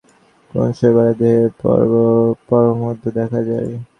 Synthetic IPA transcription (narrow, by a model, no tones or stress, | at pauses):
ko̰nʃebaɾad̪eɦḛ | pɔɾomod̪ʱod̪ɛkʰad͡ʑae